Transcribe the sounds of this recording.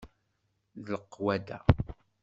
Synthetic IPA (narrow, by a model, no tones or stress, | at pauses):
ðləqːwæd̪æ